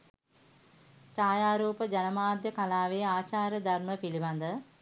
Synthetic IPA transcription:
t͡ʃaːjaːɾuːpəd͡ʒanəmaːd̪jəkalaːʋeaːt͡ʃaːɾjəd̪ʱarməpiliband̪ə

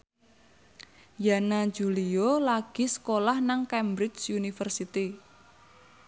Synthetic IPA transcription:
janad͡ʒṳliolaɡ̥i̤sə̥kolahnaŋkɛmbɾɪd͡ʒsunifərsit̪i

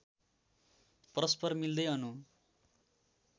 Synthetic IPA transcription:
prʌspʌrmild̪ʌjʌnu

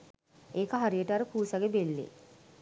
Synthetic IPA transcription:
eːkəɦaɾijəʈəaɾəpuːsaɡebelːḛ

